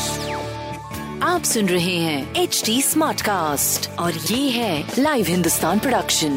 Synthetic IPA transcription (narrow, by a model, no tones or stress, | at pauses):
aːpsʊ̃nɾɐɦẽɦɛ̃ːeːt͡ʃʈiːsmaːɾʈkaːsʈɔːɾjeːɦɛ̃laːɪʋɦɪ̃nd̪ʊst̪aːnpɾoɖɐkʃə̃n